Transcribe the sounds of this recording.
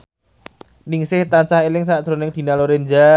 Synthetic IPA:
nɪŋsɪht̪ansaɦelɪŋsaʔd̪̥ɾo̤nɪŋd̪̥i̤naloɾend͡ʒa

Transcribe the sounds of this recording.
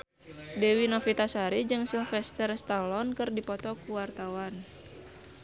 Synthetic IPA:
dɛwinɔfit̪asaɾid͡ʒɨŋsiŋfɛst̪ɛrst̪alɔnkɨrdipɔt̪ɔkuwart̪awan

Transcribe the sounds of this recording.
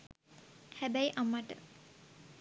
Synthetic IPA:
hæbæjʔamːaʈə̰

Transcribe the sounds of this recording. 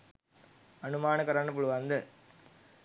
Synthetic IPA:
ɐnɯmaːnɐkɐɾaːnɐp̬ːʊɭɯʋɐnd̪ɯ

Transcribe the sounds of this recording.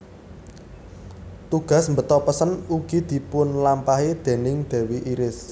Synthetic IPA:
t̪uɡ̥a̤smbət̪ɔpəsənuɡ̥i̤d̪̥i̤pʊnlampaɦed̪̥eɛ̤nɪŋd̪̥ɛ̤wiʔiɾɪs

